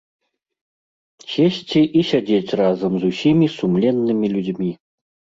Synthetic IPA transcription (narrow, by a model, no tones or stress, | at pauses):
sʲesʲt͡sʲiʔisʲad͡zʲet͡sʲrazɐmzusʲimʲisumlʲɛnːɨmʲilʲud͡zʲmʲi